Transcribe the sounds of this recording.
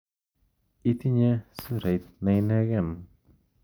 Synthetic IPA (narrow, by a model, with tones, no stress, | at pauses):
it̪i˦ɲɛsu˦ɾe˨jt̪̚na˧jna˦ɡɛ˦˨n